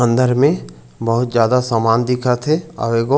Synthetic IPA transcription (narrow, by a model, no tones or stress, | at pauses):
ə̃nd̪əɾmẽ | bɐɦʊt̪zjaːd̪asaːmaːnd̪ɪkʰat̪ʰea̰ʋeːɡo